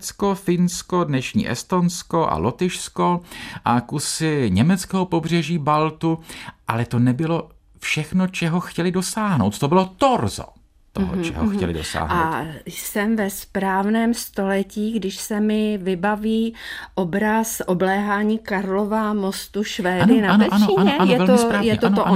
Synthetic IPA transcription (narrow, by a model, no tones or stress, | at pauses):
t͡skofɪnskodnɛʃɲḭːʔɛ̰st̪o̞nsko̞ʔa̰lot̪ɪʃsko̞ʔakusɪɲɛmɛt͡skɛɦopo̞br̝ɛʒiːbalt̪uʔalɛt̪o̞nɛbɪlo̞ | fʃɛxnot͡ʃɛɦoxcɛlɪdosaːɦno̞wt̪̚t̪obɪlot̪oɾzo̰ | t̪oɦo̰t͡ʃɛ̰ɦoxcɛ̰lɪ̰do̰sa̰ːɦna̰sɛmvɛspɾaːvnɛːmst̪o̞lɛciːɡdɪʃsɛmɪvɪbaviːʔobɾasʔoblɛːɦaːɲiːkaɾlovamost̪uʃvɛːndɪnaanɛanoiɲaɛanojɛvɛloɾaːjɛtɛooʔ